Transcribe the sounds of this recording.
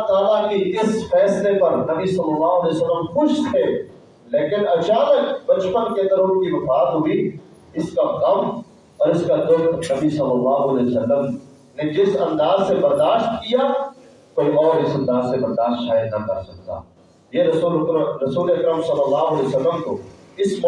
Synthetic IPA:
t̪aːlakeɪsfɛːslepɐɾnɐbisɐlːɐlːaːɦʊɐlɛːsɐlːəmxʊʃt̪ʰɛː | leːkɪnɐt͡ʃaːmekbɐt͡ʃpənket̪ɐɾõːnkiʋʊbʰaːd̪ɦʊi | ɪskaɣɐm | ɔːɾɪskad̪ʊk̪nɐbisɐlːɐlːaːɦʊɐlɛːjosɐlːəm | ned͡ʒɪsɐ̃nd̪aːzsebɐɾd̪aːʃt̪̚kija | koːiʔɔːɾɪsɐ̃nd̪aːzsebɐɾd̪aːʃt̪ʃaːjəd̪nɐkɐɾsɐk̚t̪a̰ː | jeɾɐːəɾɐsuːleɐkɾəmsɐlːəlːaːɦʊɐlɛosɐlːəmko | ɪsm

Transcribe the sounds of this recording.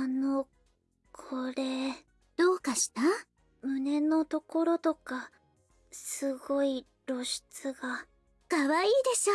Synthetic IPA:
ano̞ | kʰo̞ɾe̞ | d̪̥o̞ːkaɕi̥t̪a | mɯ̟ne̞no̞t̪o̞ko̞ɾo̞t̪o̞ka | sɨɡo̞i | ɾo̞ɕi̥t͡sɨɡa | kaβaiːd̪e̞ɕt̪a

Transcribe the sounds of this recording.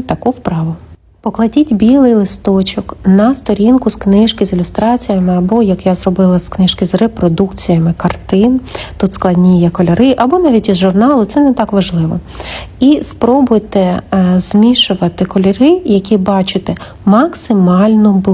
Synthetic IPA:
t̪ɐkuwpɾɑʋʊ | pɔklˠɐdʲitʲbʲilˠɪjlˠɪst̪ɔt͡ʃɔknɐst̪ɔɾʲinkʊsknɪʃkɪzɪlʲʊst̪ɾɑt͡sʲijɐmɪɐbɔjɐkjazɾɔbɪlˠɐsknɪʃkɪzrepɾɔd̪ukt͡sʲijɐmɪkɐrt̪ɪnt̪ut̪sklˠɐdʲnʲijɐkɔlʲɐɾɪʔɐbɔnɑʋʲitʲizʒʊrnɑlˠʊt̪sɛnɛt̪ɑkʋɐʒlˠɪʋɔ̰ | ispɾɔbʊjt̪ɪzmʲiʃʊʋɐt̪ɪkɔlʲɐɾɪjɐkʲibɑt͡ʃɪt̪ɛ | mɐksɪmɑlʲnʊb

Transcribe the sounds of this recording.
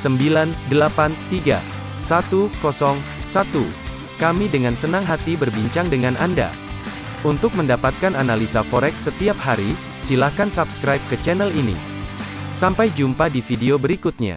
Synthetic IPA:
səmbilandəlapant̪iɡa̰ | sat̪ukɔsɔŋsat̪ṵ | kamidəŋansənaŋɦat̪ibərbiɲt͡ʃaŋdəŋanʔanda̰ | unt̪ʊk̚məndapat̪̚kananalisafɔɾɛksːət̪iap̚haɾi | silahkansapskɾajp̚kət͡ʃɛnɛlinḭ | sampajd͡ʒumpadifideobəɾikut̪̚ɲa̰

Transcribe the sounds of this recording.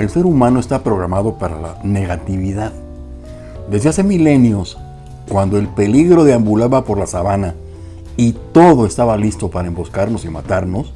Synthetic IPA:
e̞lse̞ɾumãno̞e̞st̪apɾo̞ɣɾamaðo̞paɾa̰la̰ne̞ɣat̪iβiðað | d̪ezðease̞mile̞njo̞s | kwand̪o̞e̞lpe̞liɣɾo̞ðeambulaβapo̞ɾlasaβana | it̪o̞ðo̞e̞st̪aβalist̪o̞paɾaembo̞skaɾno̞simat̪aɾno̞s

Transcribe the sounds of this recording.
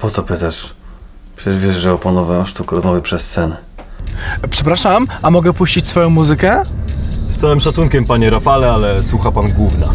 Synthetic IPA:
pɔt̪ɔpɘt̪aʂ | pʂɛʐvʲɛʐʐɛɔpɔnɔvɛ̃ʂt̪ukɾɔzmɔvʲəpʂɛsːt̪sɛnɛ | pʂɛpɾaʂamʔamɔɡɛpuɕt͡ɕit͡ɕsfɔjɔ̃w̃muzɘkɛ | st̪awɛmʂat̪sunkʲɛmpaɲɛɾafalɛalɛswuxapanɡwuvna

